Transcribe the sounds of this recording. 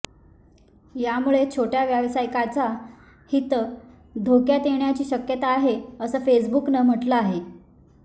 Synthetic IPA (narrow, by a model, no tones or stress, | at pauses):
jamuɭet͡ɕʰoʈjaʋjaʋsajkat͡sa | hit̪ə | d̪ʱokjat̪eɳjat͡ɕiːɕəkjət̪aːɦeəsəːfesbuknəm̤əʈləaɦe